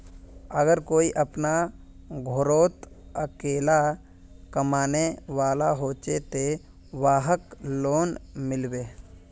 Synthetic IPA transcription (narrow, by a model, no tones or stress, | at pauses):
əɡəɾkoːiʔəpna | ɡʱoɾoːt̪ | əkeːla | kəmaːneʋaːlaɦoːt͡ʃet̪e | ʋaːɦəkloːnmɪlbeː